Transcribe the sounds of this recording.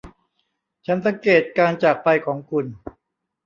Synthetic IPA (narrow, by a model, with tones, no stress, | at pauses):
t͡ɕʰa˦˥ns̬a˩˨˦ŋkeː˨˩t̪̚kaː˧nt͡ɕaː˨˩k̚pa˧jkʰɔː˩˦ŋkʰu˧n